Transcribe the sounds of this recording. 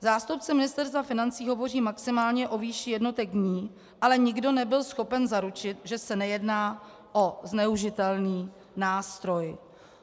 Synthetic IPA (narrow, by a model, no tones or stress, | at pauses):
zaːst̪upt͡sɛmɪnɪst̪ɛɾst̪vafɪnant͡siːɦo̞vo̞r̝iːmaksɪmaːlɲɛʔo̞viːʃɪjɛdno̞t̪ɛɡɲiː | ʔalɛɲɪɡdo̞nɛbɪlsxo̞pɛnzaɾut͡ʃɪt̪ʒɛsɛnɛjɛdnaː | ʔoznɛuʒɪt̪ɛlniː | naːst̪ɾo̞j